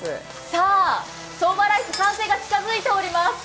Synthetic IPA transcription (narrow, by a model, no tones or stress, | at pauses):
saː | soːmaɾaisɨsãse̞ːɡat͡ɕi̥kazɨit̪e̞oɾʲimasɨ̥